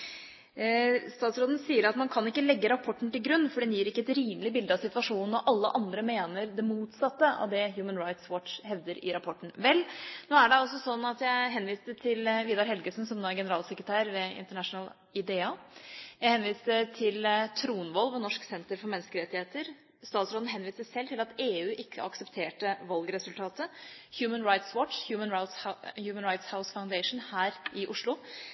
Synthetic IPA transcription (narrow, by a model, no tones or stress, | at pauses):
st̪ɑːt̪sɾoːd̪n̩siːəɾɑt̪mɑnkʰɑnɪkːəlɛɡːəɾɑpʰɔʈːɳ̩t̪ɪlɡɾʉnːfɔɖɛnjiːɾɪkːəɛt̪ɾiːməlɪbɪld̪əɑsɪt̪ʋɑʂuːnn̩ɔʔɑlːəʔɑnd̪ɾəmeːnəɾd̪ɛmuːt̪sɑt̪ːəʔɑ̰ʋd̪ɛɦjʉːmənɾaɪt̪swɔʈʂhɛʋd̪əɾɪ̰ɾɑpʰɔʈːɳ̩ʋɛlːnoːæɖɛɔsːɔsɔnːɑt̪jæɪɦɛnːʋiːsd̪ət̪ʰɪlʋiːd̪ɑɾɦɛlɡəʂn̩sɔmnoːæɾɡɛnəɾɑːlsəkɾət̪ʰæːɾʋɛɪ̰nt̪əɳæʂnəl | ɪd̪eːɑjæɪhɛnʋiːsd̪ət̪ʰɪlt̪ʰɾuːnʋɔlʋɔnɔʂksɛnt̪əɾfɔɾmɛnːskəɾɛt̪ːɪheːt̪əɾ | st̪ɑːt̪sɾoːd̪n̩ɦɛnʋiːsəsɛlt̪ʰɪlɑt̪eːʉːʔɪkʰːə̰ʔɑksəpt̪ʰeːʈəʋɑlɡɾɛsʉlt̪ʰɑːt̪əhjʉːmənɾaɪt̪swɔʈhjʉːmənjʉːmənɾaɪt̪shaʊsfaʊnd̪ɛɪʂn̩hæːɾʔɪʔʊʂlʊ